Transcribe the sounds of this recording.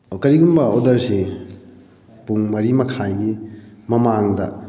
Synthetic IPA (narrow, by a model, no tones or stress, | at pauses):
kɐɾiɡumbɐodɐɾsi | puŋmɐɾimɐkʰajɡimɐmaŋdɐ